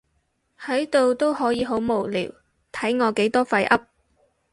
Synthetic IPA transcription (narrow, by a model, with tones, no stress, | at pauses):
hɐ˨˥jt̪o˨wt̪o˥whɔː˨˥jiː˨˧ɦo˨˥wmo˨˩wlḭː˨˩w | t̪ʰɐ˨˥jŋɔː˨˧ke˨˥jt̪ɔː˥fɐ˧jʔɐ˥p̚